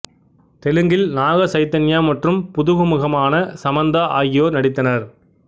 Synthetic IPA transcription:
t̪ɛlɯŋɡɪlnaːɣɐsɐɪt̪ːɐnjaːmɐʈrɯmpʊðʊɣɯmʊɣɐmaːnɐsɐmɐnd̪ɐʔaːjɪjoːɾnɐɽɪt̪ːɐnɐɾ

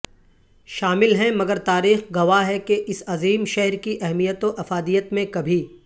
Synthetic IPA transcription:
ʃaːmɪlɦɛ̃mɐɡəɾt̪aːɾiːxɡɐʋaɦɛkeʔɪsɐziːmʃɛɦɾkiʔɛɦmijət̪oʔɐfaːd̪ijət̪mẽkɐbʱi

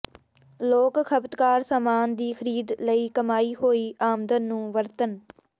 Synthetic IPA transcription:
loːkkʰəbt̪kaːɾsaːmaːnd̪iːkʰəɾiːd̪ləiːkəmaːiːɦoːiːʔaːmd̪ənːũːʋəɾt̪ən

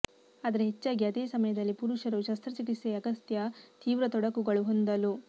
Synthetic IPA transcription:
aːd̪ɐɾeɦet͡ʃːaːɡiɐd̪eːsɐmɐjɐd̪ɐlːipuɾuʃɐɾuʃɐst̪ɾɐt͡ʃikiseɐɡɐst̪jɐt̪iːʋɾɐt̪ɔɽɐkuɡɐɭuɦo̞nd̪ɐlu

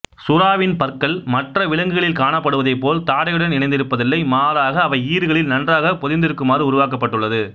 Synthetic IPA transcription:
sʊɾaːʋɪnpɐrkɐlmɐʈrɐʋɪlɐŋɡɯɣɐɭɪlkaːɳɐpːɐɽɯʋɐðɐɪpːoːlt̪aːɽɐjɯɽɐnɪnɐɪnd̪ɪɾɯpːɐðɪlːɐɪmaːðaːɣɐːʋɐɪiːɾɯɣɐɭɪlnɐndraːɣɐpɔðɪnd̪ɪɾɯkːɯmaːɾɯʊɾʊʋaːk̬ɐpːɐʈːɯɭːɐðɯ

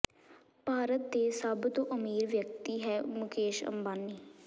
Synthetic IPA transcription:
paːɾət̪̚d̪eːsəbt̪õːʔəmiːɾʋjək̚t̪iːɦɛːmʊkeːʃə̰mbaːnːiː

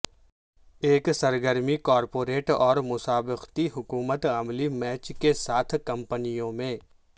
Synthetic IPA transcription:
eːksɐɾɡəɾmikɔːɾpoːɾeːʈɔːɾmʊsaːbɪqt̪iɦʊkuːmət̪amlimɛːt͡ʃkesaːt̪ʰkɐ̃mpənijõmẽ

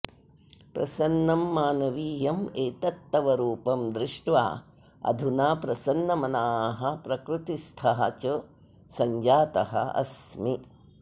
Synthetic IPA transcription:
pɾɐsɐnːɐmːaːnɐʋiːjɐmeːt̪ɐt̪ːɐʋɐɾuːpɐmd̪ɾɪʂʈʋa̰ː | ɐ̰d̪ʱunaːpɾɐsɐnːɐmɐnaːɦɐpɾɐkɾut̪ist̪ʰɐɦɐ̰t͡ʃɐ | sɐɲd͡ʒaːt̪ɐɦɐ̰ɐ̰smi

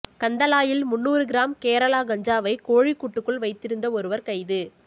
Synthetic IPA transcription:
kɐnd̪ɐlaːjɪlmʊnːuːɾɯɡɪɾaːmkeːɾɐlaːɡɐɲd͡ʒaːʋɐɪkoːɻikːuʈːɯkːɯɭʋɐɪt̪ːɪɾɯnd̪ɐɔɾɯʋɐɾkɐɪðɯ

